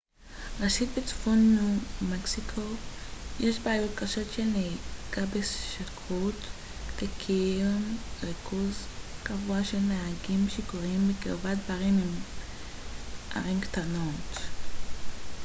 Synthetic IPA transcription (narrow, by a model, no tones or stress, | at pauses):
ʁeʃitbet͡su̥fonːumeksikʰo̞jeʃbaːjotkaʃo̞tʃeneɡ̥abesʃakʰot | lekʰimʁikuzkavuaʃelmehaɡimʃekoʁimbekiʁvatdbaʁimim | ʔa̰ʁimkt̪anot